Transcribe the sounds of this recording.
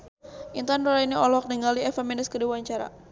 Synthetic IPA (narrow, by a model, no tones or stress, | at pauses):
ʔint̪anɾɔɾainiɔlɔk̚niŋaliɛfaminɪskədiwaɲt͡ʃaɾa̰